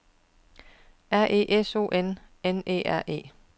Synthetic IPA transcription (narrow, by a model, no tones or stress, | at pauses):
æɐ̰ʔe̝̰ːʔeso̝̰ːʔen | enḛːæɐ̰ʔe̝̰ː